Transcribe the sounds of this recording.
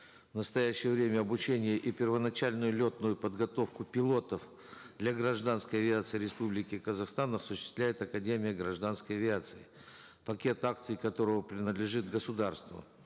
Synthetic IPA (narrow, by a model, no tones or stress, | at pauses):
vnəst̪ɐjæɕːɪjəvɾʲemʲəɐbʊt͡ɕenʲɪjəʔipʲɪrvənɐt͡ɕælʲnʊjʊlʲot̪nʊjʊpəd̪ɡɐt̪o̞fkʊpʲɪlˠo̞t̪əf | d̪lʲaɡɾɐʐd̪anskəjɐvʲɪat̪sɨjɾʲɪspublʲɪkʲɪkəzɐxst̪anɐsʊɕːɪst̪lʲæjɪt̪ɐkɐdʲemʲɪjəɡɾɐʐd̪anskəjɐvʲɪat̪sɨɪ | pɐkʲe̞t̪ak̚t̪sɨjkɐt̪o̞ɾəvəpɾʲɪnəd̪lʲɪʐɨt̪ɡəsʊd̪arst̪və̰